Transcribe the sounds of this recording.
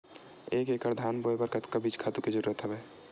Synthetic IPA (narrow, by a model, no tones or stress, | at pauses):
eːkekəɾd̪ʱaːnboebəɾkət̪kabiːt͡ʃkʰaːt̪uked͡ʒəɾuɾət̪ɦəbɛː